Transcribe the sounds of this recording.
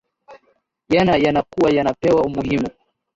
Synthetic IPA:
janajanakuwajanapɛwaumuhimu

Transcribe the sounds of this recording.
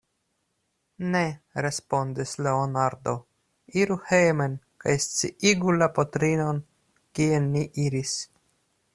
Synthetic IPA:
ne̞ɾe̞spo̞ndisle̞onaɾdo̞ | iɾuhejmen | kajst͡sḭiɡulapotɾino̞n | kienːiʔiɾis

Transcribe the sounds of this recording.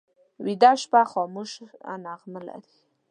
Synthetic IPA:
wid̪aʃpaxɔmuʃa̰naʁməla̰ɾi̥

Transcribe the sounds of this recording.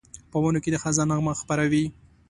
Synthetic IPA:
pəwanoked̪əxazɑnaɣməɣxpaɾawi

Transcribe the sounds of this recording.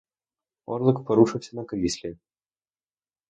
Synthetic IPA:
ɔ̰rlˠɨkpɐɾuʂɨwsʲɐnɐkɾʲisʲlʲɛ

